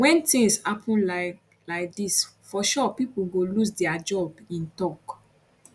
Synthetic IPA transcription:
wɛ̃ntĩŋshapʰɔ̃nla | laɪk̚disfɔʃɔpipuɡolusdɛad͡ʒɔbĩntɔk

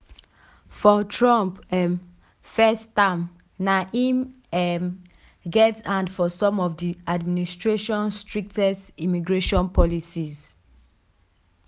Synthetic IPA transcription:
fɔtʰɹɔ̃mpɛm | fɛstam | naʔĩm | ɛm | ɡɛtãndfɔsɔ̃mɔfdiadministɹeʃɔ̃nstɹik̚tɛstimiɡɹeʃɔ̃npɔlisiz

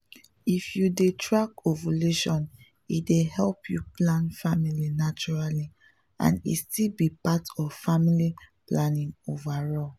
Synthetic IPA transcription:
ifjudetʰɹakovoleʃɔ̃n | ḭtdehɛlpʰjuplãnfamilinat͡ʃɔɹali | ã̰nḭstilbipatɔvfamiliplanĩŋovaɹɔl

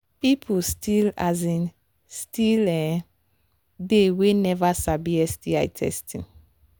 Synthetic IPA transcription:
pipʰustilazĩn | stilɛ̃ | dewenɛvasabiɛstia̰ɪtʰɛ̰stḭ̃n

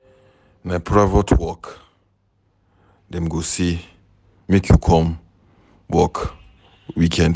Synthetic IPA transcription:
napɹavotʰwɔk | dɛ̃mɡosi | mekʰjukʰɔ̃m | wɔk | wikʰɛ̃nd

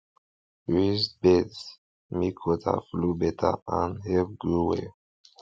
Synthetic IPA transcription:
ɹisbets | mikʰɔtʰa̰flubɛtʰa̰ãnhɛvɡɹuwɛ̰

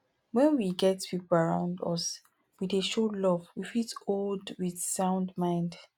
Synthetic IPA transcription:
wɛ̃nwiɡɛtpʰipl̩aɹã̰ʊ̃ndʌ̰s | wideʃolɔvwifitoldwiθsãʊ̃ndmãɪ̃nd

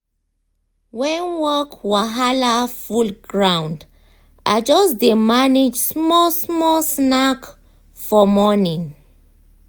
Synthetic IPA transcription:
wɛ̃nwɔkwaɦalafulɡɹãw̃nd | ʔad͡ʒɔsdemaned͡ʒsmɔsmɔsnak | fɔmɔnĩŋ

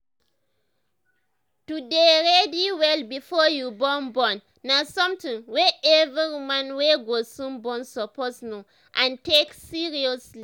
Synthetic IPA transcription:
tudeɹɛdiwɛlbifɔjubɔ̃nbɔ̃nːasɔ̃mtĩŋwɛʔɛviɹimãnweɡosũnbɔ̃nsɔpɔsno | ʔãnteksiɹiɔsli

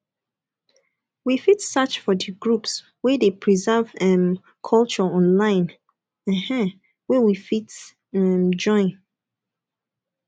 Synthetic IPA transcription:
wifitsat͡ʃfɔdəɡɹups | wɛdepʰɹizɛvɛ̃m | kʰɔlt͡ʃəɔ̃nlãɪ̃n | ɛ̃hɛ̃ | wɛwifit | ɛ̃md͡ʒɔ̃ɪ̃n

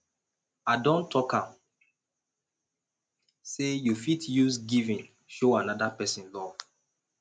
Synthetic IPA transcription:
adɔ̃ntʰːɔkãm | sejufitʰjuzɡivĩn | ʃoanadapɛsĩnlɔv

